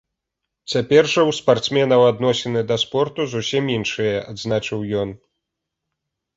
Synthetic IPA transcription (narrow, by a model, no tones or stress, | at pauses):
t͡sʲapʲɛrʐɐwspart̪smʲɛnɐwad̪nɔsʲɛnɨd̪ɐspɔrt̪uzusʲiminʂɨjɐad̪znat͡ʂɨwjɔn